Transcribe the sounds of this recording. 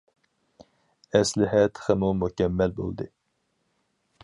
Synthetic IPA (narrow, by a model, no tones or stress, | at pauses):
ɛslɪɦɛt̪χəmumukʲɛmːɛlbo̰lˠd̪ɨ